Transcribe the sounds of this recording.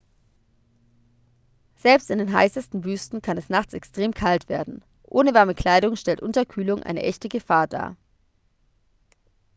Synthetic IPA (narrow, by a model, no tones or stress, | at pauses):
z̥ɛlpstɪndeːnɦa̰ɪsəstn̩vyːstn̩kʰanɛsnaχt͡sɛkstʁ̥eːmkʰaltv̥eːɐdn̩ | ʔoːnəvaɐməkʰl̥aɪɾʊŋʃtɛltʔʊntɐkʰyːlʊŋʔa̰ɪnə̰ʔɛçtəɡəfaːɐda̰ːɐ